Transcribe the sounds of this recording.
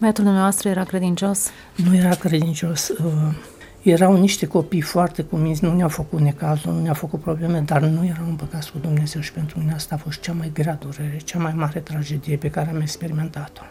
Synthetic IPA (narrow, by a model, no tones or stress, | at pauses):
vəjat̪uld̪umnavast̪ɾəjeɾakɾe̞d̪int͡ʃo̞s | nuje̞ɾakɾe̞d̪int͡ʃo̞sə | je̞ɾawniʃt̪e̞ko̞pijfoart̪e̞kuminzʲnuneafəkut̪ne̞kazununeafəkut̪̚pɾo̞ble̞med̪arnuje̞ɾawɨmpəkat̪kud̪umne̞ze̞wʃi̥pe̞nt̪ɾumineaast̪aːfo̞st̪̚t͡ʃamajɡɾead̪uɾe̞ɾe̞t͡ʃamajmaɾe̞t̪ɾad͡ʒe̞d̪ije̞pe̞kaɾeamekspe̞ɾime̞nt̪at̪o̞̥